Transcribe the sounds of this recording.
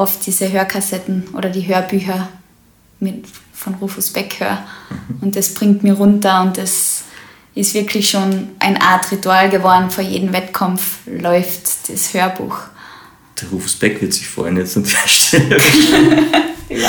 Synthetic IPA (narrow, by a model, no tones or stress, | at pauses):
ʔɔftd̥iːzəɦøːɐkʰasɛtn̩ʔo̰ːɾɐdiːɦøːɐbyːçɐ | mɪ | fɔnʁuːfusb̥ɛkhø̰ːɐʊnt̚d̥asb̥ʁɪ̃ŋtmiɐʁʊntɐʊntdas | ɪstv̥ɪɐkʰlɪçʃoːnʔaɪnʔa̰ɐtʁituaːlɡəvɔɐdn̩fyːɐjeːdn̩vɛtkʰɔmflɔʏftd̥ashøːɐbṵːx | d̥ɛʁuːfusb̥ɛkv̥ɪɐtsɪçfɔ̰ɪnjɛt͡sʊnɛɐʃtɛ